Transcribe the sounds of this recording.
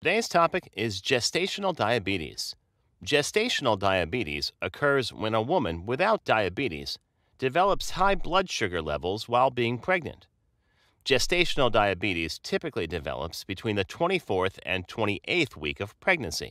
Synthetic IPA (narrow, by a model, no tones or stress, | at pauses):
tʰɨdeɪz̥tʰɑpɨkɪzd͡ʒɛsteɪʃn̩l̩ˠdaɪɨbiɾḭz̥ | d̥d͡ʒɛsteɪʃn̩l̩ˠdaɪɨbiɾḭzɨkʰɜ˞zwə̰̃nəwʊmɨ̃nwɪθaʊt̚d̥aɪɨbiɾḭz̥ | d̥ɨvɛlˠəpshaɪblʌdʃʊɡə˞lɛ̰vl̩ˠzwaɪlˠbiɪ̃ŋpʰɹ̥ɛɡ̚nɨ̰̃nʔ | d̥ʒ̥ɛsteɪʃn̩l̩ˠdaɪɨbiɾiz̥tʰɪpɨklidɨvɛ̰lˠə̰psb̥ɨtʰw̥ĩnðɨtʰw̥ɛ̃ɾ̃ifɔɹθɨ̰̃ntʰw̥ɛ̃ɾ̃iʔeɪθwḭkʌv̥pʰɹ̥ɛɡ̚nɨ̃nsḭ